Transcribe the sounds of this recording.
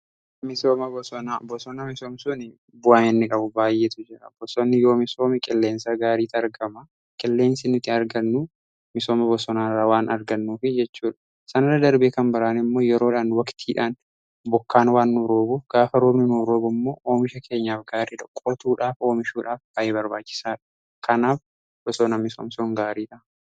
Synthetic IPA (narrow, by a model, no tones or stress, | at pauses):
mɪsoːmɐbɔsɔnabɔsɔnɐmɪsoːmsʊnɪ | bʊaːnɛnːɪkʼɐbʊbaːjːeːt̪ʊd͡ʒɪɾɐ̰bɔsɔnːɪjoːmɪso̞ːmɪkʼɪlːeːnsaɡaːɾiːt̪ɐɾɡɐmɐ | kʼɪlːe̞ːnsɪnʊt̪ːɪɐɾɡɐnːu | mɪso̞ːmɐbɔsɔnaːrːaːwaːnɐɾɡɐnːuːfɪd͡ʒɛt͡ʃːuːᶑɐ̥ | sɐnɐrɐd̪ɐɾbeːkɐmbɐɾaːnɪmːo̞ːjɛɾoːᶑaːnwɐkt̪ʰiːᶑaːn | bɔkːaːnwaːnːʊɾoːbuːfɡ̥aːfɐɾoːbnɪnuɾoːbʊmːo̞ːʔoːmɪʃɐkʰe̞ːɲːaːfɡaːɾiːᶑɐkʼːɔt̪uːᶑaːfo̞ːmɪʃuːᶑaːfbɐʔeːbɐɾbaːt͡ʃːɪ̥saːᶑɐ̥ | kʰɐnaːf | b̥ɔsɔnɐmɪsɔ̰msoːŋɡaːɾiːt̪ɐʔ